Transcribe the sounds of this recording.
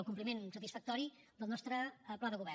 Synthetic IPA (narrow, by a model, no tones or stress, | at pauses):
lˠkump̬limensət̪isfək̚t̪ɔɾi | d̪əlˠnɔst̪ɾəplaðəɣuβɛ